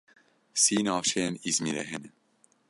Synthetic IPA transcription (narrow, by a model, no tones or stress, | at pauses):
siːnɑːʃɛnizmilɛ̰ɦɛn